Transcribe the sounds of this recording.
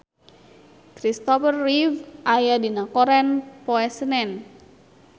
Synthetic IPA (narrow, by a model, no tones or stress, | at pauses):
kɾist̪ɔfərːivʔajadinakɔɾɛnpɔɛsənɛn